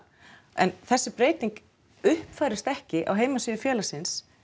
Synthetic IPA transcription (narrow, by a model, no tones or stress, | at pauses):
ɛ̰nθɛsːɪpɾeːjt̪iŋk | ʏhpfaːjɾɪst̪ɛhcɪʔa̰wɦeːjmasɪːðʏfjɛːlasɪns